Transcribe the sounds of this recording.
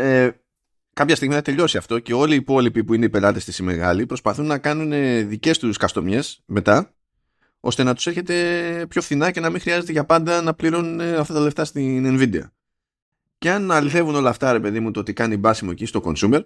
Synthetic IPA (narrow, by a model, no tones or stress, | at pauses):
e | kɐpçɐst̪iɣmiθɐt̪e̞ʎo̞siɐft̪o̞ce̞o̞liːpo̞lipipuine̞ipe̞lɐt̪e̞st̪isime̞̰ɣɐ̰lipɾo̞spɐθunːɐkɐnune̞ðice̞st̪uskɐst̪o̞mje̞sme̞t̪ɐ | o̞̰st̪e̞nɐt̪u̥se̞ɾçe̞t̪e̞pço̞fθinɐce̞nɐmĩŋxɾiɐze̞t̪eʝɐpɐnd̪ɐnɐpliɾo̞nuneɐft̪ɐt̪ɐleft̪ɐst̪inenvid̪eɐ̰ | ceɐnɐliθe̞vuno̞lɐːft̪ɐɾe̞pe̞ðimut̪oot̪ikɐnibɐsimocist̪o̞ko̞nsume̞ɾ